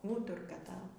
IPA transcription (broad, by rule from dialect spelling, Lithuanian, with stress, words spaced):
ˈuːtʊrkɐ ˈtɑːʋoː